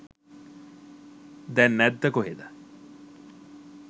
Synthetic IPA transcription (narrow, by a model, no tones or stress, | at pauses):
d̪ɛnːɛd̪ːɐkoɦed̪a